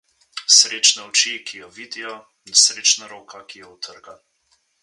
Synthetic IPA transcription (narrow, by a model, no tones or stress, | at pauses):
sɾeːt͡ʃnɛɔt͡ʃikʰijɔʋiːd̪ijɔ | nsɾeːt͡ʃnaɾoːkakijɔwt̪ʰəɾɡa